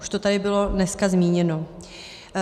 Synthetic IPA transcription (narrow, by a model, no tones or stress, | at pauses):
uʃt̪o̞t̪adɪbɪlo̞nɛskazmiːɲɛno